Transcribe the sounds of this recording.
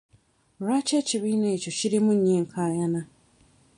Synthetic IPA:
ɾat͡ʃeciβiːneːt͡ʃociɾimuɲeːŋkʰaːjana

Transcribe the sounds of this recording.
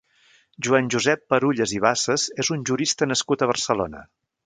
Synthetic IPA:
ʒuanʲʒuzɛpːəɾuʎəziβ̞asəzezunʲʒuɾist̪ənəskut̪əβ̞ərsəlo̰nə̰

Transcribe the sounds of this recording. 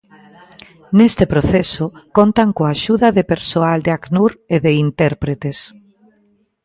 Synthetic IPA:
nest̪ɪpɾoθesokont̪aŋkoaʃuðɐðepeɾsoald̪eaknuɾeðeint̪ɛɾpɾet̪es

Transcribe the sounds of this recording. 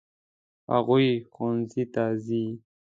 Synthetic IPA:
ha̰ɣujxonzit̪azi

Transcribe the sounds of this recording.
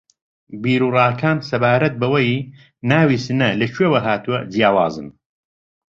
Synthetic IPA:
biːɾuːrɑːkʰaːnsɐbaːɾɐt̪̚bɐwɐj | naːwisɨnɐlɐt͡ʃʰwewɐɦaːt̪uwɐd͡zijaːwa̰ːzɨ̰n

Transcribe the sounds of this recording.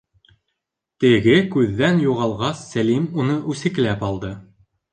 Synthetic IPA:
t̪ɘ̆ɡɘkʉðːænjuʁɑlˠʁɑsːælimunɤʔʉsɘ̆k̆læpɑlˠd̪ɤ

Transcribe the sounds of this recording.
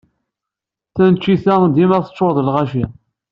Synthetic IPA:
θænt͡ʃːiθæd̪imæθət͡ʃːoɾðˤlʁaʃi

